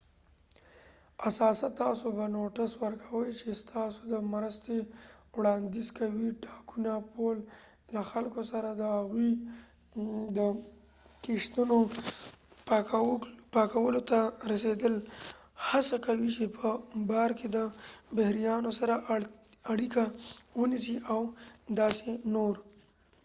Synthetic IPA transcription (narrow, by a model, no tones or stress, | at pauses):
asɑsat̪ɑsobanoʈaswəɾkʰawəjt͡ʃest̪ʰɑsod̪əmɾəst̪ewɽɑnd̪izkawiʈɑkunapʰollaxalkosaɾad̪əhaɣwi | d̪ə | kiʂt̪uno | pɑkawəlot̪aɾased̪əl | hasakawit͡ʃepʰəbɑɾked̪əbahɾijɑnosaɾaʔːɽikawənisiʔawd̪ɑsenoɾ